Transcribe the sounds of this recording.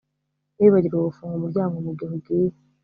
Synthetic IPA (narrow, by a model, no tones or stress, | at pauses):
neβaɾiɾaβufuːŋɡumuɾɟaːŋɡomuɡihuɡi